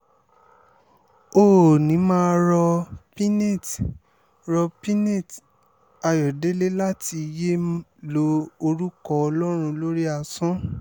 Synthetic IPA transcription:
oː˦˨nĩ˨˦mãː˦ɾɔ˧pi˦ne˦˨t | ɾɔ˧pi˦ne˦˨t | a˧jɔ˨de˦le˦la˦ti˧je˦lo˦o˧ɾu˦kɔ˧ɔ˧lɔ˦ɾ̃ũ˧lo˦ɾi˦a˧sɔ̃˦

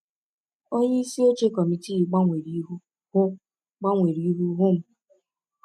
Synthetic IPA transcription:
o˦ɲe˦i˦si˦o˦t͡ʃe˦kɔ˨mi˨ti˦i˨ɡ͡ba˦ŋʷe˨ɾi˦ɦu˦ | hʊ˦ | k͡pa˦ŋʷe˨ɾi˨i˦ɦu˦ɦʊ˦m̩˦

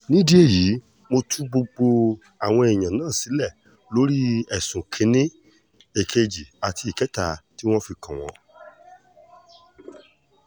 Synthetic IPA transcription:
nĩ˦di˦e˦˨ji˨˦ | mo˧tʰu˦ɡ͡bo˧ɡ͡bo˧ | a˨w̃ɔ̃˧e˨j̃ã˨nãː˦˨si˨˦lɛ˦˨ | lo˨˦ɾi˦ɛ˨sũ˨kʰĩ˧˦nĩ˦ | e˨kʰe˧d͡ʒi˨a˨tʰi˧i˨kɛ˨˦ta˦˨ti˦w̃ɔ̃˦fi˧kʰã˨w̃ɔ̃˨˦

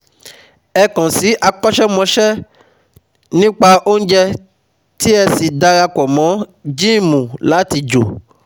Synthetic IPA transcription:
ɛ˧kɔ̃˨si˨˦ʔa˧k͡pɔ˦ʃɛ˦mɔ̃˧ʃɛ˦ | nĩ˦k͡pa˧ʔo˦n̩˦d͡ʒɛ˧ | ti˦ɛ˧si˨da˧ɾa˧kɔ˨mɔ̃˨˦d͡ʒĩ˦˨mũ˨la˨˦ti˧d͡ʒo̰˨

